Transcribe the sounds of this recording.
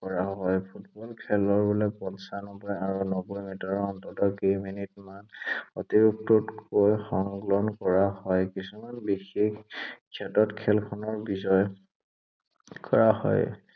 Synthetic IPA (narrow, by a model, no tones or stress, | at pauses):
kɔɹaɦɔjpʰutbɔlkʰɛlɔɹbɔlɛpɔnsanɔbɔjaɹunɔbɔjmitɔɹɔntɔtɔkejminitmanɔtiɹuk̚tutkojxɔŋɡlɔnkɔɹahɔjkisumanbixikkʰɛtɔtkʰɛlkʰɔnɔɹbizɔj | kɔɹaɦɔ̰j